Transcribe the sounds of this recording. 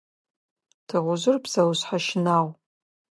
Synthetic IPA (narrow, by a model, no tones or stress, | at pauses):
tʰɨʁʷʊʒʷʊrbz̥awɕħaʃnaːw